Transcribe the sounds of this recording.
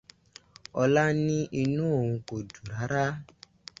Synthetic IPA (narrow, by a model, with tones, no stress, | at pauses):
ɔ˧la˦nĩ˦ʔi˧nũ˦o˨wũ˧ko˨du˨ɾa˨˦ɾa˦